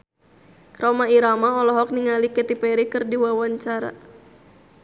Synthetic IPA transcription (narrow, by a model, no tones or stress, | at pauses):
rɔmaiɾamaɔlɔɦɔk̚niŋalikɛt̪ipɛɾikɨrdiwawaɲt͡ʃaɾa̰